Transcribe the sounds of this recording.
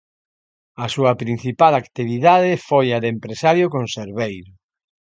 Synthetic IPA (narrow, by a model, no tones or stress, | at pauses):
ɐsuɐpɾin̟θipalakt̪iβiðaðɪfojaðempɾesaɾjokõnseɾβejɾʊ